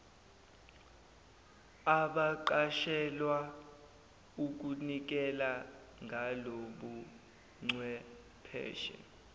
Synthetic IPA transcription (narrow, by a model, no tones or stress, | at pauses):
aɓaǃaʃɛlwa | uk̬unik̬ɛla | ŋɡʱaloɓu | ŋ͡ǀwɛ | pʰɛ̰ːʃɛ̰